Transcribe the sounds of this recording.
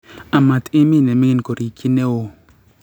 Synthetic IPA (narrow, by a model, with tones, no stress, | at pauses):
a˨ma˨t̪i˦mi˦˨ne˨mi˦i˦nko˨ɾi˨kʰi˦ne˦wo˨